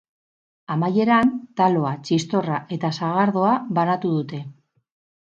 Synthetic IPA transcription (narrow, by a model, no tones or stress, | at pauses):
amaje̞ɾant̪alo̞at͡ʃist̪o̞raʔe̞t̪asaɣaɾðo̞aβanat̪uðut̪e̞